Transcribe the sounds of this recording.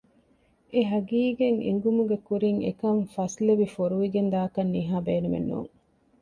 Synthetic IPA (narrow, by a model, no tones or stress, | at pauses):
eɦɐɡiːɡeŋḭŋɡumuɡekuɾiŋḛkɐɱfɐsleʋifoɾuʋiɡend̪aːɐkɐnːiɦaːbeːnumḛnːṵːŋ